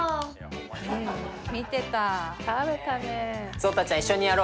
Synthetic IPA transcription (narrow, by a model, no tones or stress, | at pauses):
ɯ̟̃ɴmʲit̪e̞t̪akabet̪anesɨoːt̪at͡ɕaãiɕːo̞ɲijaɾo